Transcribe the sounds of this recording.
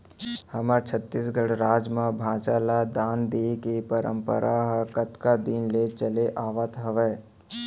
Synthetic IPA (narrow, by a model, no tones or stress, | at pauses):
hɐməɾt͡ʃʰət̪ːiːsɡəɽɾaːd͡ʒmãbʱãːt͡ʃaːlad̪aːnd̪eːkepəɾə̰̃mpə̰ɾʔaɦkət̪kad̪inlet͡ʃəleʔaːʋət̪ɦɐʋəː